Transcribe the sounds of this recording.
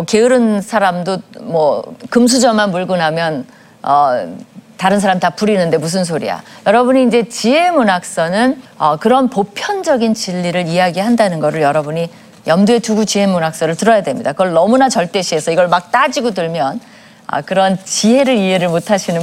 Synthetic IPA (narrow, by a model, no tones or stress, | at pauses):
ke̞ɯɾɯnsʰaɾamdomwʌkɯms̬ʰud͡ʑʌmanmuɭɡunɦamjʌn | ʌ | taɾɯns̬ʰaɾamtap͈uɾinɯnde̞mus̬ʰɯns̬ʰoɾḭa̰jʌɾʌbuɲiːnd͡ʑe̞t͡ɕiɦe̞munak̚s͈ʌnɯnʌ̰kɯɾʌnpopʰjʌnd͡ʑʌɡint͡ɕiʎːiɾɯɾiaɡiɦandanɯnɡʌɾɯɭjʌɾʌbuɲi | jʌmdue̞tuɡut͡ɕiɦe̞munak̚s͈ʌɾɯɭtɯɾʌjadwe̞mɲidakɯɡʌɭnʌmunat͡ɕʌɭt͈e̞ɕʰie̞sʰʌiɡʌɭmak̚t͈ad͡ʑiɡodɯɭmjʌn | ʌ̰kɯɾʌnt͡ɕiɦe̞ɾɯɾie̞ɾɯɭmotʰaɕʰinɯ